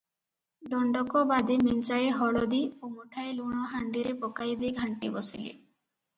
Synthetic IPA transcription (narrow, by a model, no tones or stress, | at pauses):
d̪ɔɳɖɔkɔbad̪emint͡ʃajeɦɔɭɔd̪iomuʈʰaeluɽ̃ɔɦaɳɖiɾepɔkajd̪eɡʱaɳʈibɔsilḭ